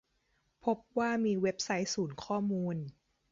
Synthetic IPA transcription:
pʰo˦˥p̚waː˥˩miː˧we˦˥p̚sa˦˥jsuː˩˦nkʰɔː˥˩muː˧n

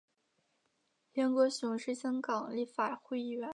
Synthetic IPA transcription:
ljɛ˧˥nkwɔ˧˥ɕʊ˧˥ŋʂɻ̩˥˩ɕjɑ˥ŋkɑ˨˩ŋli˥˩fa˨˩xwe˥˧ɪi˥˧ɥɛ˥˧˥n

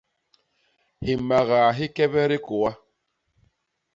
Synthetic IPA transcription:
hi˨ma˨ɣaː˨ɦi˦kɛ˦bɛ˦ɾi˦ko˨wa˦

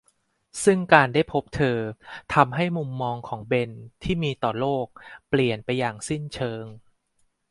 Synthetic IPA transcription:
sɯ˥˩ŋkaː˧nda˥˩jpʰo˦˥p̚t̪ʰɤː˧t̪ʰa˧mɦa˥˩jmu˧mːɔː˧ŋkʰɔː˩˦ŋbe˧nt̪ʰiː˥˩miː˧t̪ɔː˨˩loː˥˩k̚pli˨˩ənpa˧jːaː˨˩ŋsi˥˩nt͡ɕʰɤː˧ŋ

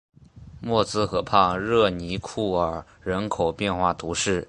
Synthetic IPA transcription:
mwɔ˥˩t͡sɹ̩˥xɤ˧˥pʰɑ˥˧ɻɤ˥˩ni˧˥kʰu˥˩ə˞˨˩ | ɻə˧˥nkʰo˨˩ʊpjɛ˥˧nxwa˥˩t̪ʰu˧˥ʂɻ̩˥˩

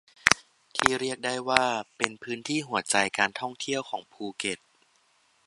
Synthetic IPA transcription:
t̪ʰiː˥˩ɾi˥˩ək̚da˥˩jwaː˥˩pe˧npʰɯː˦˥nt̪ʰiː˥˩ɦu˨˩˦ɐt͡ɕa˧jkaː˧nt̪ʰɔ˥˩ŋt̪ʰi˥˩əwkʰɔː˩˦ŋpʰuː˧ke˨˩t̪̚

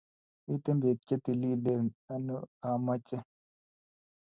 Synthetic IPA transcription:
i˦t̪e˦mbe˨kːe˦t̪i˨li˦lenɐ˦nu˦aː˨mɐ˦t͡ɕe˦

